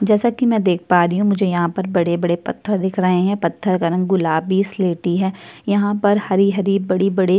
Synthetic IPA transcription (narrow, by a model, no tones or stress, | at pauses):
d͡ʒɛːsakimɛ̃d̪eːk̚ʰpaːɾiɦũmʊd͡ʒʱejɐɦãpɐɾbɐɽebɐɽepɐ̰t̪ʰːəɾd̪ɪkʰɾɐɦẽɦɛ̃pɐt̪ʰːəɾkɐɾɐ̃ŋɡɡʊlaːbisleːʈiɦɛːjɐɦãpɐɾhɐɾiɦɐɾibɐɽibɐɽi